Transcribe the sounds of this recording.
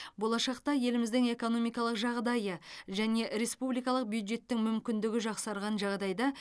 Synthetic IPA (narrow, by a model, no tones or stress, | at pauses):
bo̞lˠɑʃɑqt̪ɑje̞lɪmɪzd̪ɪŋe̞ko̞no̞mijkɑlˠəqʒɑʁd̪ɑjəʒæne̞ɾe̞spublijkɑlˠəq̚bjujd̪ʒe̞t̪ːɪŋmʏmkʲɪnd̪ɪɡʲɪʒɑqsɑɾʁɑnʒɑʁd̪ɑjd̪ɑ